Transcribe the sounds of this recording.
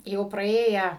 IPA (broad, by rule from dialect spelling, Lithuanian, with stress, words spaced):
ˈjɛʊ prɐˈeːjæː